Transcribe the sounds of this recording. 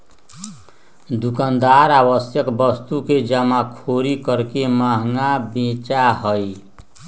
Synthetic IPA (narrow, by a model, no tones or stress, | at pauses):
d̪ukand̪aɾaβəsjəkbʌst̪uked͡ʒəmakʰoɾikəɾkemaɦŋabẽt͡ʃaɦəj